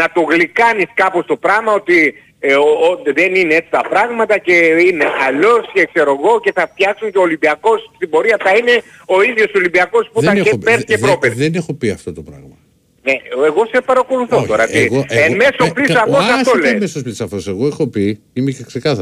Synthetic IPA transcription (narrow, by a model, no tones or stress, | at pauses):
nɐt̪o̞ɣlikɐniskɐpo̞st̪o̞pɾɐɣmɐo̞t̪i | oðe̞nineet͡s̪i̥t̪ɐpɾɐɣmɐt̪ɐce̞ine̞ʔɐlo̞scekse̞ɾo̞ɣo̞ce̞θɐft̪çɐksuɲceoːlimbiɐko̞sst̪ibo̞ɾiɐθɐine̞ | o̞iðʝo̞solimbiɐko̞sput̪ɐeepeɾceɾo̞peðenexopiɐft̪ot̪opɾɐ̰ɣmɐ | neeɣo̞sepɐɾɐko̞luθo̞t̪o̞ɾɐɣoeme̞soplisoɐft̪osɐst̪olemesosplisɐft̪oseɣoexopi | imeceksekɐθɐ